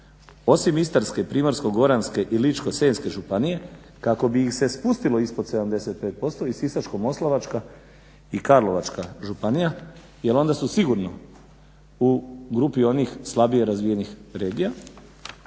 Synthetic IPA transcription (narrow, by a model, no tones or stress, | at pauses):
o̞simist̪aɾske̞pɾiːmoɾsko̞ɡo̞ɾanske̞ʔilit͡ʃko̞senske̞ʒupanije̞ | kako̞biixse̞spust̪ilo̞ispo̞d̪seamd̪e̞se̞t̪̚peːt̪̚po̞st̪o̞isisat͡ʃkomo̞slˠaʋat͡ʃka | ikaɾlo̞ʋat͡ʃkaʒupanija | jelo̞nd̪asusiɡuɾno̞ | uɡɾupio̞nixslˠabije̞ɾazʋije̞nixɾe̞ːɡija